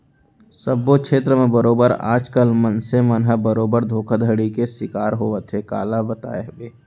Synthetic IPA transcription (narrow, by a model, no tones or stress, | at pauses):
səbːokʰʃʰeːt̪ɾəmẽbəɾoːbəɾa̰ːd͡ʒkəlmənsemənɦəbəɾoːbəɾd̪ʱoːkʰad̪ʱəɽikesɪkaːɾɦoːʋət̪ʰeka̰ːlabət̪a̰ːeɦbeː